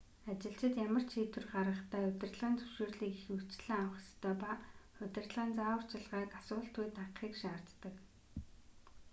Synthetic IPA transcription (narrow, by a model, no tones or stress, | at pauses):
at͡ɕɪ̆ɬt͡ɕɪ̆t̪jamə̆r̥t͡ɕʰiːt̪wɘ̆rɢaɾʁə̆χt̪ʰæːʊt̪ʲɪ̆rɮʁəːnt͡sɵwʃeːrɮiːkixut͡ɕɮɘ̆ŋawə̆χst̪ʰœːpaχʊt̪ʲɪ̆rt̪ɮʁəːnt͡saːwʊr̥t͡ɕɪ̆ɮʁaːkasʊːɬt̪ujt̪ʰaqχiːkʃaːr̥t̪t̪ːə̆k